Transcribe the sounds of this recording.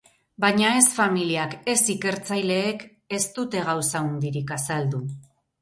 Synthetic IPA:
bajɲae̞sfamiliake̞sike̞ɾt͡sajle̞ːk | e̞st̪ut̪e̞ɣ̞awsaund̪iɾikasald̪u

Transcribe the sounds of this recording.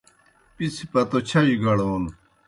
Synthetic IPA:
pisipɐt̪ot͡ɕʰɐiɡɐɽoːn

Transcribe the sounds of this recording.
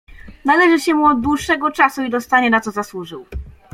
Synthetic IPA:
nalɛʐɘɕɛmuɔd̪̚d̪wuʂːɛɡɔt͡ʂasuid̪ɔst̪aɲɛnat̪sɔzaswuʐɘw

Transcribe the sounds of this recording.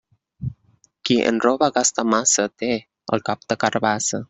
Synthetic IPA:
kiʔə̰nɾobaɡast̪amasət̪e | ə̰lkap̚t̪əkaɾbasə

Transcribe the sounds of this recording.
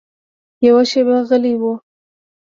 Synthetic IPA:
jawaʃebeaɣəliwu

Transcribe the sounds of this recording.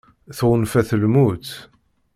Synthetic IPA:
θʁənfæθəlmut̪

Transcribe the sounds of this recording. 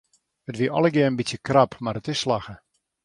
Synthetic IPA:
ətʋiəʔɔ̰ləɡjɪəənbitsjəkrapʰmaɾətɪsːlaxə

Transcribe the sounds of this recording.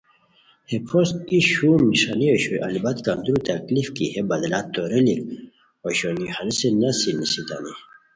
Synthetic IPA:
hepʰos̚iɕumiʂaniɔɕujʔa̰libat̪kand̪uɾut̪aklifkihebad̪lat̪ːoɾilik̚ | oɕonihalisenasinisit̪a̰ni

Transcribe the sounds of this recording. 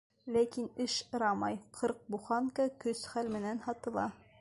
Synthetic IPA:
lækinɘʃɤ̆ɾɑmɑjqʰɤɾq̚buχɑŋkɑkɵsχælmɘ̆nænhɑt̪ɤ̆lˠɑ

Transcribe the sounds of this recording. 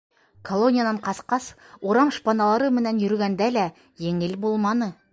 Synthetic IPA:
kʰo̞lˠo̞nʲijad̪ɑɴqʰɑsqɑs | woɾɑɴʃpɑnɑlˠɑɾɤmɘ̆nænjɵ̆ɾɡʲænd̪ælæ | jeŋɪlbolˠmɑnɤ

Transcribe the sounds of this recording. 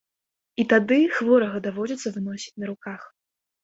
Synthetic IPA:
it̪ad̪ɨxvɔɾɐɣɐd̪avɔd͡zʲɛt̪sːɐvɨnɔsʲi̥t͡sʲnɐɾukax

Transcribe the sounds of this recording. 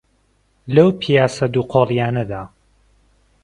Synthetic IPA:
lɐwpʰijaːsɐd̪uːqʰoːlˠijaːnɐd̪aː

